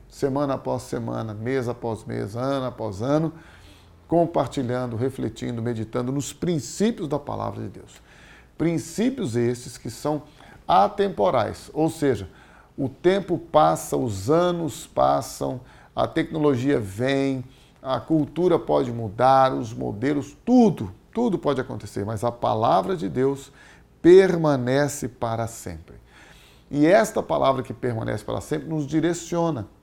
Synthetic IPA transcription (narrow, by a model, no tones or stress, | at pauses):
semɐ̃nɐapɔsːemɐ̰̃nɐmezapɔzmḛzɐ̃nʊapɔzɐ̃nʊ | kõpaɾt͡ʃiʎɐ̃nd̪ʊɦeflet͡ʃḭ̃nd̪ʊmed͡ʒit̪ɐ̃nd̪ʊnʊspɾĩsipjʊzd̪ɐpa̰la̰vɾɐ̰d͡ʒɪd̪ews | pɾĩsipjʊzest͡ʃɪskɪsɐ̃w̃ | at̪ẽmpoɾa̰jsowseʒɐ | ʊt̪ẽmpʊpasɐʊzɐ̃nʊspa̰sɐ̰̃w̃ | ɐ̰t̪ɛk̚noloʒiɐvẽj̃ | ɐkuwt̪uɾɐpɔd͡ʒɪmud̪aɾʊzmo̰d̪elʊst̪ud̪ʊt̪ud̪ʊpɔd͡ʒɪakõnt̪eseɾmɐzɐpa̰lavɾɐd͡ʒɪd̪ews | peɾmɐ̃nɛsɪpaɾɐsḛ̃mpɾɪ | ɪɛst̪ɐpalʔavɾɐkɪpeɾmɐ̃nɛ̰sɪ̥pa̰ɾɐ̰sẽmpɾɪnʊzd͡ʒiɾesiõnɐ